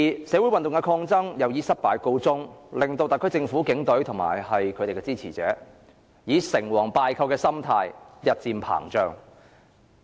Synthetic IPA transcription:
i˨sɛː˨˥wu˨˥jwɐ˨nt̪ʊ˨ŋkɛ˧kʰɔː˧ŋt͡sɐ˥ŋjɐ˨˧wjiː˨˥sɐ˥t̚paː˨˧jko˧wt͡sʊ˥ŋlɪ˨˩ŋt̪o˧wt̪a˨jkʰɵ˥jt͡sɪ˧ŋfuː˨˥kɪ˨˥ŋt̪ɵ˨˥ɥt̪ʰʊ˨˩ŋma̰ː˨˩jhɐ˨jkʰɵ˨˧t̪e˨jkɛ˧t͡siː˥t͡sʰiː˨˩t͡sɛ̰ː˨˥ | jiː˨˧sɪ˨˩ŋwɔː˨˩ŋpaː˨˧jkʰɐ˧wkɛː˧sɐ˥mt̪ʰaː˧jjɐ˨t̚t͡siː˧mpʰa̰ː˨˩ŋt͡ʃœː˨ŋ

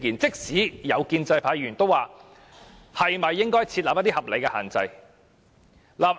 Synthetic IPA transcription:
kiː˨˩nt͡sɪ˥k̚siː˨˥jɐ˨˧wkiː˧nt͡sɐ˧jpʰaː˨˧˥jɥyː˨˩nt̪o˥waː˨ | hɐ˨˩jmɐ˨jːɪ˥ŋkɔː˥jt͡sʰiː˧t̚la˨jɐ˥t̪iː˥hɐ˨˩p̚le˨˧jkɛ˧ha̰ː˨˩nt͡sɐ̰˧j | laː˨p̚

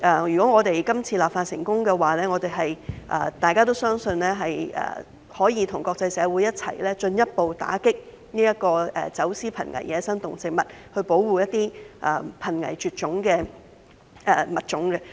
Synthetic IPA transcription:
ʔɛ˨jyː˨˩kɔː˨˥ŋɔː˨˧t̪e˨jkɐ˥mt͡sʰiː˧laː˨pfaː˧t̚sɪ̰˨˩ŋkʊ˥ŋkɛ˧waː˨lɛː˥ŋɔː˨˧t̪e˨jɦɐ˨jʔɐ̰ː˨˧t̪aː˨jkaː˥t̪o˥wsœː˥ŋsɵ˧nlɛː˥ɦɐ˨jɛ̰ː˨˩ | hɔː˨˥jiː˨˧t̪ʰʊ˨˩ŋkɔː˧k̚t͡sɐ˧jsɛː˨˧wuː˨˧˥jɐ˥t̚t͡sʰɐ̰˨˩jlɛː˥t͡ʃɵ˧njɐ˥t̚po˨wt̪a̰ː˨˥kɪ˥k̚ | niː˥jɐ˥t̚kɔː˧ɛ̰ː˨˩t͡sɐ˨˥wsiː˥pʰɐ˨˩nŋɐ̰˨˩jjɛː˨˧sɐ˥ŋt̪ʊ˨˩ŋt͡sɪ˨k̚mɐ˨t̚hɵ˧ɥpo˨˥wwuː˨˩jɐ˥t̚t̪ːiː˥ʔɛː˨˩pʰɐ˨˩nŋɐ̰˨˩jt͡ʃyː˨t̚t͡ʃʊ˨˥ŋkɛː˧ | ʔɛː˨˩mɐ˨t̚t͡ʃʊ˨˥ŋɡɛ˧

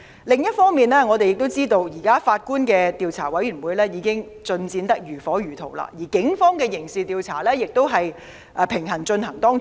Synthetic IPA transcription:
lɪ˨ŋjɐ˥t̚fɔː˥ŋmiː˨nlɛː˥ŋɔː˨˧t̪e˨jɪ˨k̚t̪o˥wt͡siː˥t̪o˧wjiː˨˩kaː˥faː˧t̚kuː˥nkɛː˧t̪iː˨˧wt͡sʰaː˨˩wɐ˨˥jɥyː˨˩nwuː˨˧jlɛː˥jiː˨˧kɪ˥ŋt͡ʃɵ˧nt͡siː˧nt̪ɐ˥k̚jyː˨˩fɔː˨˥jyː˨˩t̪ʰo˨˩wla̰ː˧jiː˨˩kɪ˨˥ŋfɔː˥ŋkɛː˧jɪ˨˩ŋsiː˨t̪iː˨˧wt͡sʰa̰ː˨˩lɛː˥jɪ˨k̚t̪o˥wɦɐ˨j | ʔːpʰɪ˨˩ŋɦɐ˨˩ŋt͡ʃɵ˧nɦɐ˨˩ŋt̪ɔː˥ŋ

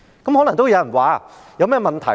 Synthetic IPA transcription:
kɐ˨˥mhɔː˨˥nɐ˨˩ŋt̪o˥wjwɐ˨˩waː˨˥ | jɐ˧wmɛː˥˩mɐ˨nt̪ʰɐ˨˩

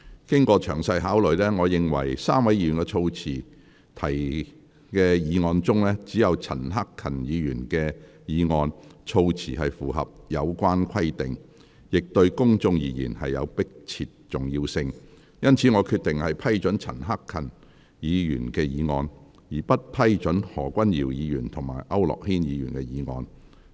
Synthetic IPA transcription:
kɪ˥ŋkʷɔː˧t͡ʃʰœː˨˩ŋsɐ˧jɦaː˨˥wlɵ˨˩ɥlɛː˥ŋɔː˨˧jɪ˨ŋwɐ̰˨˩jsaː˥mwɐ˨˥jiː˧jyː˨˩nkɛ˧t͡ʃʰo˧wt͡sʰiː˨˩ | t̪ʰɐ˨˩j | kɛː˧jiː˨˧ŋɔː˧nt͡sʊ˥ŋlɛː˥t͡siː˨˥jɐ˨˧wt͡sʰɐ̰˨˩nɦa˥kʰːɐ˨˩njiː˨˧jyː˨˩nkɛː˧ | jiː˨˧ŋɔː˧nt͡ʃʰo˧wt͡sʰiː˨˩ɦɐ˨jfuː˨˩ɦɐ̰˨p̚jɐ˨˧wkʷaː˥nkʷʰɐ˥jt̪ɪ˨ŋ | jɪ˨k̚t̪ɵ˧ɥkʊ˥ŋt͡sʊ˧ŋjiː˨˧˩jḭː˨˩nhɐ̰˨jːɐ̰˨˧wpɪ˥k̚t͡sʰiː˨t̚t͡ʃʊ˨˩ŋji˧wsɪ˧ŋ | jɐ˥nt͡sʰiː˨˥ŋɔː˨˧kʰyː˧t̚t̪ːɪ˨ŋhɐ˨jpʰɐ˥jt͡ʃɵ˨˥nt͡sʰɐ̰˨˩nɦa˥kʰːɐ˨˩n | jiː˨˧jy̰ː˨˩nkɛː˧jiː˨˧ŋɔː˧n | jiː˨˩pɐ˥t̚pʰɐ˥jt͡ʃɵ˨˥nhɔː˨˩kʷɐ˥njiː˨˩wjiː˨˧jyː˨˩nt̪ʰʊ˨˩ŋma̰ː˨˩jʔɐ˥wlɔ̰ː˨k̚hiː˥njiː˨˧jyː˨˩nkɛː˧jiː˨˧ŋɔː˧n

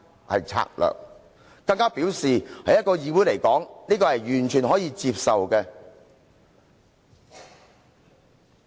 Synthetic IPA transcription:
hɐ̰˨jt͡sʰa̰ː˧k̚lœ̰ː˨k̚ | kɐ˧ŋkaː˥piː˨˥wsiː˨˩hɐ˨˥jɐ˥t̚kɔː˧jiː˧wu˨˥jle˨˩jkɔː˨˥ŋniː˥kɔː˧hɐ˨jjyː˨˩nt͡ʃʰyː˨˩nɦɔː˨˥jiː˧t͡siː˧p̚sɐ˨wkɛ˧

